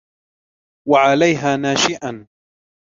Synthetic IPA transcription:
waʕalajɦaːnaːʃɪʔan

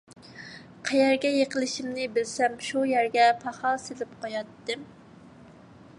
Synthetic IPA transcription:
qʰæjæɾɡʲɛjeqəlˠɪʃimnɪbɪlsɛmʃujæɾɡʲɛpʰɑχɑlˠselɪp̚qʰojɑt̪ːɨm

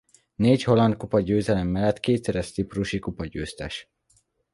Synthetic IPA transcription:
neːcho̞lɒnd̪̚kupɒɟøːzɛlɛmːɛlːɛt̪keːt̪sɛɾɛʃt̪sipruʃikupɒɟøːst̪ɛ̰ʃ

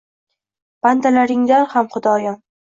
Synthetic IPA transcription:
b̥and̪alaɾɪŋzaɾhamχʊd̪ɒjɒn

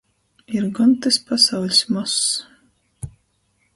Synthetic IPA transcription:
iɾɡɔnt̪ɨspasawlʲsʲmɔs

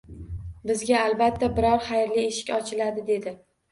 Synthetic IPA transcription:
bɪzɡʲaːlˠbat̪ʰːabɪɾɒɾχajɾlie̞ʃɪ̥kʲɒt͡ʃʰɪlad̪ɪd̪e̞d̪ɪ

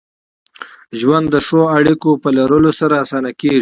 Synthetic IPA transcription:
ʒwand̪ːəʂoaɽikopəlaɾəlosaɾaːsɑnakeʐi

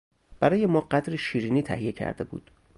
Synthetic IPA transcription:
b̥æɾɒːjemɒːɢæd̪ɾeʃiːɾiːniːt̪ʰæ̰hije̞cʰæ̰ɾd̪e̞bṵːd̪̥

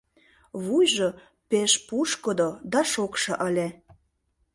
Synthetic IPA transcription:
βujʒo | peʃpuʃkəd̪od̪ɑʃokʃɤ̆ʔəlʲe

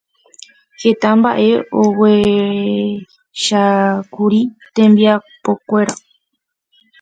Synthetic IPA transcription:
he̞t̪ãmbaʔe̞owe | ʃakuɾit̪ẽmbiapokʷe̞ɾa

